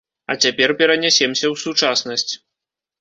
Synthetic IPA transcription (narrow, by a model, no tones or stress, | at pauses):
ɐ̰t͡sʲapʲɛrpʲɛɾɐnʲasʲɛmsʲɐwsut͡ʂasnɐsʲt͡sʲ